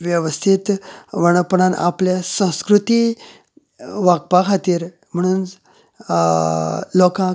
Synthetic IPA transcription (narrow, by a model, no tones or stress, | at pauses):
ʋjəʋəst̪ʰit̪ʋəɽ̃əpəɳana̰pljasə̃w̃skɾut̪i | ʋaɡ̚pakʰat̪iːɾ | m̤əɽ̃uːn | lɔkã